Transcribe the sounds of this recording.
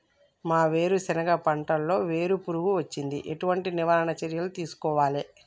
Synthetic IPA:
maːʋe̞ːɾusɛnɐɡɐpɐɳʈɐlːo̞ːʋe̞ːɾupuɾuɡuʋɐt͡ʃːind̪ḭʔeʈuʋɐɳʈiniʋaːɾɐɳɐt͡ʃeɾjɐlut̪iːsu̥kɔːʋaːle

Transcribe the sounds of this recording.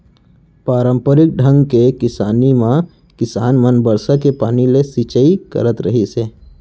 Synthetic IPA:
paːɾə̃mpəɾɪk̚ɖʱə̃ŋɡkekɪsaːnimã | kɪsaːnmənbəɾsakepaːnilesit͡ʃəikə̰ɾət̪ɾəɦiseː

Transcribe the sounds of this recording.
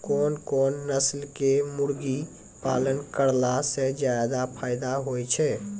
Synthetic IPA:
kɔːnkɔnːəslkemuɾɡi | pa̰lənkəɾlased͡ʒajd̪apʰaɪd̪aɦojt͡ʃʰɛ

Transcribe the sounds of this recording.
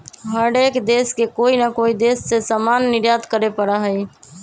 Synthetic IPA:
ɦəɽekd̪eːskekoːinəkoid̪eːsːesamanːɪɾjat̪kəɾepəɽaɦəj

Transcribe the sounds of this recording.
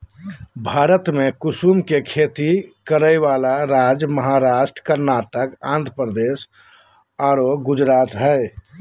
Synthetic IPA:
bʱaːɾət̪mekʊsumkekʰet̪ikəɾəjʋalaɾaːd͡ʒməɦaɾaːʃʈɾəkəɾnaːʈəkã̰ːnd̪ʱəpɾəd̪eːs | aɾoɡʊd͡ʒɾaːt̪ɦəɪ

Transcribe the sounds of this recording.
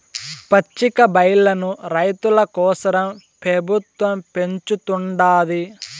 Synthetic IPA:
pɐt͡ʃːikɐbɐjlɐnuɾɐjt̪ulɐkɔːsɐɾɐm | pɾɐbʱut̪ʋɐmpe̞ɲt͡ʃut̪uɳɖaːli

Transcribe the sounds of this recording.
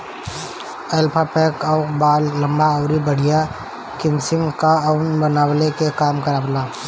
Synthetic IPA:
ɛːlpʰapɛːkɔʊkbaːlːɐ̃mbaɔːɾibɐɽ̤ija | kɪmsɪŋkaɔʊnbənaːwlekekaːmkɐɾaːwlaː

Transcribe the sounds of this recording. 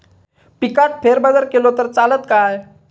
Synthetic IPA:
pikaʈ̚fʰeɾbəd̪əɾkelot̪əɾt͡salət̪kaj

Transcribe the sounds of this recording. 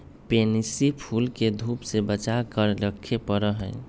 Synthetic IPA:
penisipʰulked̪ʱupsebət͡ʃakəɾɾəkʰːepəɾəɦəɪ

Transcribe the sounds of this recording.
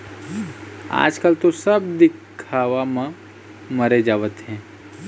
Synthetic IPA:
a̰ːd͡ʒkəlt̪osəbd̪ɪkʰaːʋamã | məɾed͡ʒaːʋət̪ɦɛ̃ː

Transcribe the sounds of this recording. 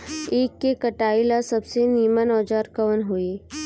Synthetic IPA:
eːkːekəʈaːilasəbseniːmənɔːd͡ʒaɾkəʋənɦoe

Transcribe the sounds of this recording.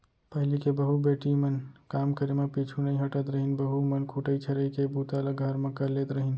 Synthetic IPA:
pəɦilikebəɦubeʈimənkamkəɾemepit͡ʃʰunəiɦəʈət̪ɾəɦinbəɦumənkʰuʈəjt͡ʃʰəɾəjkebut̪alaɡʱəɾmẽkəɾlet̪ɾəɦin

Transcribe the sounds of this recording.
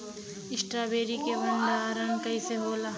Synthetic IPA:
ɪsʈɾabeːɾikebɐnd̪aɾənkɐiseɦoːlaː

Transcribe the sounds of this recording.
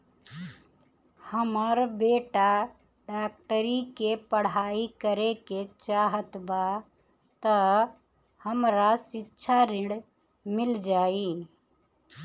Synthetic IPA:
həməɾbeʈa | ɖak̚ʈəɾikepəɽ̤aikəɾeket͡ʃaːɦət̪ba | t̪ə | həmɾasitːʃʰaɾiɽ | mɪld͡ʒaːi

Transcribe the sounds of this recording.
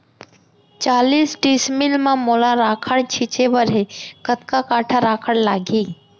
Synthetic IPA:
t͡ʃaːliːsʈismɪlmãmoːlaɾaːkʰəɽt͡ʃʰit͡ʃebəɾekət̪kakaːʈʰaɾaːkʰəɽlaːɡiː

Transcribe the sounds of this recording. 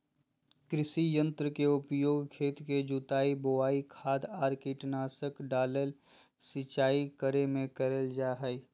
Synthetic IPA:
kɾɪsijə̃nt̪ɾəkeʊpjoːɡkʰeːt̪ked͡ʒut̪aːibowaːikʰaːd̪aːɾkiʈnaːsəkɖaːlel | sɪt͡ʃaːikəɾemẽkəɾeld͡ʒaːɦɛi

